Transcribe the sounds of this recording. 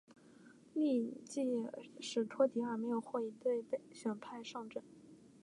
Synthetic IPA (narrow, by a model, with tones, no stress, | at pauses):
li˥˧t͡ɕi˥˩ʂɻ̩˨˩t̪ʰwɔ˥t̪i˧˥ə˞˧˥me˧˥ɪjo˨˩ʊxwɔ˥˩i˧˩t̪we˥˧ɪpe˥˩ɪɕɥɛ˨˩npʰa˥˧ɪʂɑ˥˧ŋʈ͡ʂə˥˩n